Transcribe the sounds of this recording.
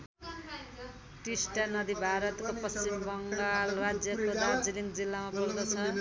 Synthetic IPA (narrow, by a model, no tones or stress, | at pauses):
ʈisʈanʌd̪ibʱaɾʌt̪kopʌst͡simbʌŋɡalrad͡zjʌkoɾad͡ziliŋɡd͡zilːamabʌld̪ʌt͡sʰʌ